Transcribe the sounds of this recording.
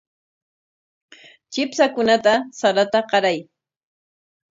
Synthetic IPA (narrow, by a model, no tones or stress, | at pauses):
t͡ʃɪpsakʊnat̪asaɾat̪aqɑɾaj